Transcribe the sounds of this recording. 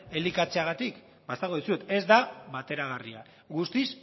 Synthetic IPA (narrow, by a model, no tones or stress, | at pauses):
e̞likat͡seaɣ̞at̪ik | bast̪aɣoðisue̞t̪e̞zd̪aβat̪e̞ɾaɣ̞aria̰ | ɣust̪is